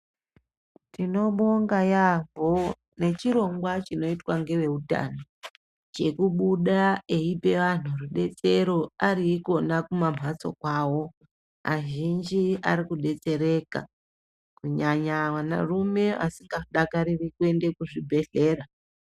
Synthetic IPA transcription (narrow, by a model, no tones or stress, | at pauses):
tino̞ɓo̞ŋɡajavo | ne̞t͡ʃiɾo̞ŋɡwat͡ʃino̞itwaŋɡe̞ʋe̞uta̰no | t͡ʃe̞kuɓuɗae̞ipe̞ʋan̤̥uruɗe̞t͡se̞ɾo̞ariko̞nakumam̤ʱat͡so̞̰kwaːwo̞ | a̰ʒind͡ʒia̰ɾikuɗe̞t͡se̞ɾe̞ka̰ | kuɲaɲawana̰rume̞a̰siŋɡaɗakaɾirikuwe̞nde̞kuʐibʱe̞ɬe̞ːra